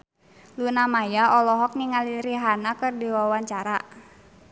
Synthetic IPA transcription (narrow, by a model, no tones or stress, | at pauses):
lunamajaʔɔlɔɦɔk̚niŋaliɾiɦanakɨrdiwawaɲt͡ʃaɾa